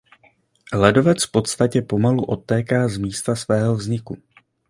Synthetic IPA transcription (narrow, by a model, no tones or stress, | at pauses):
lɛdo̞vɛt͡sfpo̞t̪st̪acɛpo̞maluʔo̞t̪ːɛːkaːzmiːst̪asvɛːɦo̞vzɲɪku